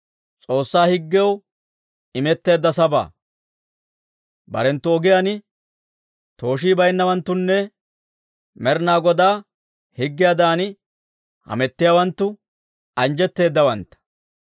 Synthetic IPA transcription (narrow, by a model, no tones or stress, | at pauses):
t͡sʼo̞ːsːaːhɪɡːɛw | ɪmɛt̪ːe̞ːd̪ːɐsɐba̰ː | bɐ̰ɾɛnt̪ːʊɔɡɪjanɪ | t̪o̞ːʃiːbɐjnːɐwɐnt̪ːʊnːɛ | mɛɾnaːɡɔd̪aː | hɪɡːɪjad̪aːn | hɐ̰mɛt̪ːɪjawɐnt̪ːʊ | ɐnd͡ʒɛt̪ːe̞ːd̪ːɐwɐnt̪ːɐ̥